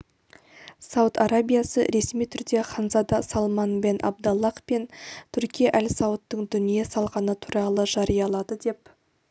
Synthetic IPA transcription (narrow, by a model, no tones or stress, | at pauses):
sɑwt̪ɑɾabʲijasə̰ɾe̞smijt̪ʰʏɾd̪e̞χɑnzɑd̪ɑsɑlˠmɑnbe̞nʔɑ̰b̚d̪ɑlˠːɑqpe̞nt̪ʰʏɾkʲijeʔælʲsɑwət̪ːəɴd̪ʏnijesɑlˠʁɑnət̪ʰu̥ɾɑlˠəʒɑɾijɑlˠɑd̪əd̪e̞p̚